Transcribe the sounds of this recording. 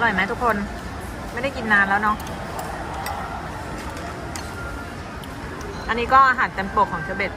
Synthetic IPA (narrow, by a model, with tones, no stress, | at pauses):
lɔ˨˩jma˦˥jt̪ʰu˦˥kʰːo˧n | m˥˩jda˥˩jki˧nːaː˧˥nlɛː˦˥wnɔ˦˥ʔ | ʔa˧nːiː˦˥kɔː˥˩ʔaː˧ɦaː˩˦nt̪ɛ˧npo˨˩kʰɔː˨˩˦ŋʰi˧wbe˨˩t̪̚